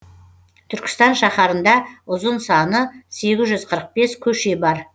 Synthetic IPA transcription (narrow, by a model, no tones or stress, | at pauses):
t̪ʰʏɾkʲɪ̥st̪ɑnʃɑχɑɾənd̪ɑʊzənsɑnəse̞ɡʲɪzʒʏzqʰəɾəq̚be̞skʲʰɵʃe̞bɑɾ